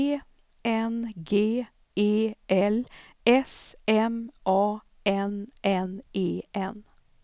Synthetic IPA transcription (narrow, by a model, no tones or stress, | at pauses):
ɛnɡeː | eːʔɛl | ɛsɛmʔɑː | ɛnʔɛneːʔɛn